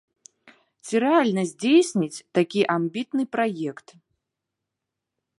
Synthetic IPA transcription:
t͡sʲiɾɛalʲnɐzʲd͡zʲejsʲnʲit͡sʲt̪akʲiʔambʲit̪nɨpɾajɛkt̪

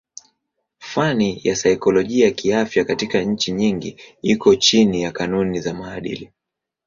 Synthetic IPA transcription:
fanijasaikɔlɔʄiakiafjakatikaɲ̩t͡ʃiɲiŋɡiikɔt͡ʃinijakanunizamaːɗḭli

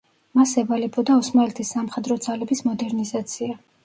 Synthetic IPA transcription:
masɛvalɛbɔd̪aɔsmalɛt̪ʰisːamχɛd̪ɾɔd̪zalɛbismɔd̪ɛɾnizat̪sʰia

